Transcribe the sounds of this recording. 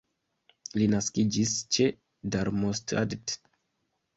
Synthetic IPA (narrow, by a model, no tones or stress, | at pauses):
linaskid͡ʒist͡ʃe | daɾmosta̰dt